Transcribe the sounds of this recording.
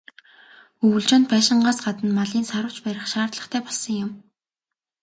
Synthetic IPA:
ɵwɵ̆ɮt͡ɕɔ̆ːnt̪pæːʃɪ̆ɴɢaːsɢat̪ə̆nmaɮiːnsaɾə̆wt͡ɕpæɾʲɪ̆χʃaːrt̪ɮə̆χt̪ʰæːpɔɮsə̆ŋjʊm

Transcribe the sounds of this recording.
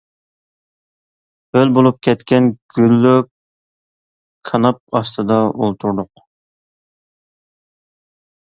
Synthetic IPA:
ølbolˠup̚kʲʰɛt̪kʲɛnɡ̥ʲylːy | kʰɑnɑp̚ɑst̪ɨd̪ɑolˠt̪ʰuɾd̪ʊq

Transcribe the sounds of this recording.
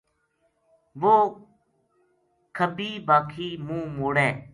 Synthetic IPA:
ʋoː | kʰəbiːbaːkʰiːmũːmoːɽɛ̃ː

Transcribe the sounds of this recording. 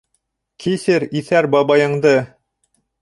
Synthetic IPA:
kʰisɘɾiθæɾbɑβɑjɤ̆ɴd̪ɤ

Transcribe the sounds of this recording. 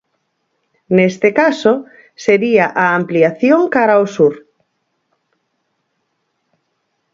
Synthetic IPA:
nest̪ekaso | seɾiaʔaːmpliaθjoŋkaɾaosuɾ

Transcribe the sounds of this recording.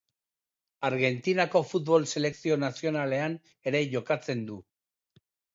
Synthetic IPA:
aɾɣe̞nt̪inako̞fut̪βo̞lse̞le̞ksio̞nasio̞nale̞an | e̞ɾe̞ʝo̞kat͡se̞nd̪u

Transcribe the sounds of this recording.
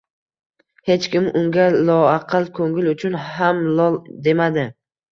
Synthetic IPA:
he̞t͡ʃkʲɪmʔʊŋɡʲalˠɒɑqʰɨlˠkʰoŋɪlʊt͡ʃʰʊnhamlɒd̪e̞mad̪ɪ

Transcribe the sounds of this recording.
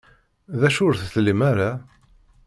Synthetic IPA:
ðæʃʊɾθθlːimaɾa

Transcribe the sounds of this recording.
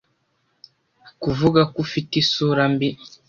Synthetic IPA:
kuvuɡakufitisuɾambi

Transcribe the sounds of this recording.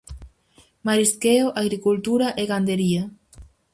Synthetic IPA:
maɾiskeoʔaɣɾikult̪uɾaʔeɣand̪eɾia

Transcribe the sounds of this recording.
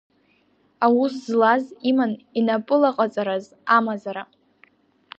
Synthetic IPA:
awuszlazimaninapʼɨlaqʼat͡sʼaɾaz | amazaɾa

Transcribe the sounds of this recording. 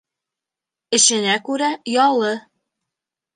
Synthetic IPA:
ɘ̆ɕɘ̆nækʉɾæjɑlˠɤ

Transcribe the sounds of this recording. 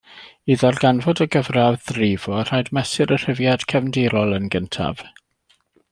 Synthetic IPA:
iðɔrɡanvɔdəɡəvravðrɪvɔar̥ajdmɛsɪɾər̥əvjad̥kʰɛvndɪɾɔlˠənɡəntʰa̰v̥

